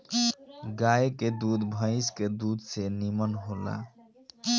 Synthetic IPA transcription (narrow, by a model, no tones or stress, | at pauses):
ɡajked̪ud̪bʱə̃ɪsked̪ud̪senimənɦola̰